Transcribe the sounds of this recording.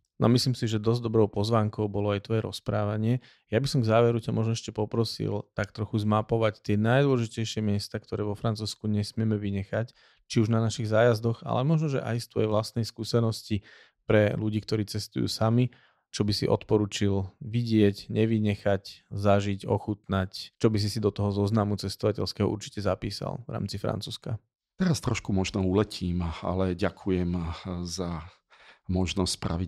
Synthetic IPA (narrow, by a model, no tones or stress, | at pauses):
nʔɔ̰misliːmsiʒɛd̪ɔzd̪ɔbɾɔʊpɔzʋaːŋkɔʊbɔlɔajt̪ʋɔjɛɾɔspɾaːʋaɲɪɛ | jabisɔmɡzaːʋɛɾucamɔʒnɔɛʃcɛpɔpɾɔsḭlt̪akt̪ɾɔxuzmapɔʋact̪ɪɛnajd̪wɔlɔʒicɛjʃɪɛmɪɛst̪aːk̚t̪ɔɾɛːʋɔfɾant͡suːskuɲɛsmɪɛmɛʋiɲɛxac | t͡ʃiuʒnanaʃiɣzaːjazd̪ɔɣa̰lɛmɔʒnɔʒɛ̰ʔa̰jst̪ʋɔ̰jɛʋlast̪nɛjskuːsɛnɔsci | pɾɛluɟiːk̚t̪ɔɾiːt͡sɛst̪ujṵːsami | t͡ʃɔbisiʔɔ̰t̪pɔɾuːt͡ʃilʋiɟɪɛɟɲɛʋiɲɛxaczaʒiɟɔ̰xut̪nact͡ʃɔbis̬isid̪ɔt̪ɔɦɔzɔznamut͡sɛst̪ɔʋacɛʎskɛɦɔʔṵɾt͡ʃi̥cɛzapḭːsa̰lʋɾa̰ːmt͡sifɾa̰nt͡suːska | t̪ɛɾast̪ɾɔʃkumɔʒnɔulɛcʰiːma̰lɛɟakʰujɛmza | mɔʒnɔsʲspɾa̰ʋi